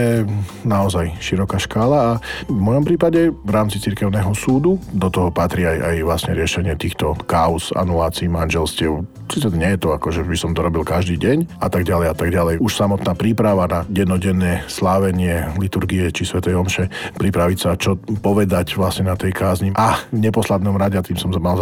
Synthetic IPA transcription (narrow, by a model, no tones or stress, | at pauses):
jɛnaɔzajʃiɾɔkaʃkaːlaːvmɔjɔmpɾiːpaɟɛvɾaːmt͡sit͡siɾkɛʊnɛːɦɔsuːd̪ud̪ɔt̪ɔɦɔpat̪ɾiaja̰jʋlasɲɛɾɪɛʃɛɲɪɛt̪iːxt̪ɔkaɔza̰nulaːt͡siːmanʒɛlscɪɛʊ | siːt͡sɛɲɛjɛt̪ɔakɔʒɛbisɔmt̪ɔɾɔbilˠkaʒd̪iːɟɛɲʔa̰t̪aɡɟalɛjat̪aɡɟalɛjuʃsamɔt̪naːpɾiːpɾaʋanaɟɛd̪nɔɟɛnːɛːslaːʋɛɲɪɛlit̪uɾɡiɛt͡ʃisʋɛt̪ɛjɔmʃɛpɾipɾaʋicsat͡ʃɔpɔʋɛd̪acʋlasɲɛnat̪ɛjkaːzɲiʔaɲɛpɔslad̪nɔmɾaɟɛat̪iːmsɔmzamal